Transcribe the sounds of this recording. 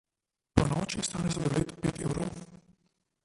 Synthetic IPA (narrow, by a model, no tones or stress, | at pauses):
pɔnɔːt͡ʃist̪aːnɛzɔd̪ɔleːt̪ɔ̥pḛːt̪ɛ̰wɾow